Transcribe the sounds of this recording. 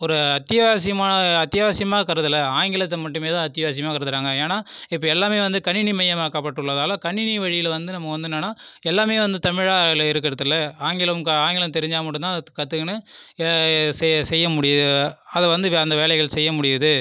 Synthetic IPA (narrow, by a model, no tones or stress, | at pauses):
ɔɾɯɐt̪ːɪjɐʋaːs̬ɪjɐmaːnɐɐt̪ːɪjɐʋaːsɪjɐmaːkɐɾɯðɯlɐaːŋɡɪɭɐt̪ːɐmɐʈːɯmeːt̪ãːɐt̪ːɪjɐʋaːs̬ɪjɐmaːkɐɾɯðɯɾaːŋɡɐeːnaːɪpːɐɛlːaːmeːʋɐnd̪ɯkɐɳːɪnimɐjɐmaːkaːpːɐʈːɯɭːɐðaːlɐ̃kɐɳːɪniʋɐɻɪjɪlʋɐnd̪ɯnɐmːɐʋɐnd̪ɯnːɐnaːɛlːaːmeːʋɐnd̪ɯt̪ɐmɪɻaːlɪɾɯk̬ːɪɾɐðɯlːɐaːŋɡɪlɐmkɐaːŋɡɪlɐmt̪ɛɾɪɲd͡ʒaːmɐʈːɯnãðkːɐt̪ːɯkɐnɯ | ssɛjːɐmʊɽɪjɐðɯɐðɐʋɐnd̪ɯɐnd̪ɐʋeːlɛɪɣɐɭsɛjːɐmʊɽɪjɐðɯ